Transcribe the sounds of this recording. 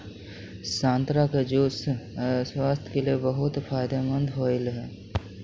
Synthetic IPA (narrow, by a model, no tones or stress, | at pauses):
sãːnt̪ɾaked͡ʒoːsswaːst̪ʰkeliebəɦʊt̪pʰaːjd̪amə̃nd̪ʱɦoɪlɦɛː